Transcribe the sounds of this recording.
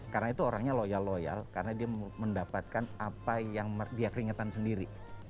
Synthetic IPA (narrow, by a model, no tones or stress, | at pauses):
karənait̪uoɾaŋɲalojalːoja̰lkaɾənadiaməndapat̪̚kanapajaŋmdiakəɾiŋat̪ansəndiɾi